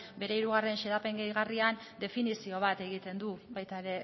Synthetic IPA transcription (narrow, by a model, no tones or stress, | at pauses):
be̞ɾe̞iɾuɣ̞are̞nʃeðape̞ŋɡejɣarian | d̪e̞finisio̞β̞at̪e̞ɣ̞it̪e̞nd̪uβajt̪aeɾe̞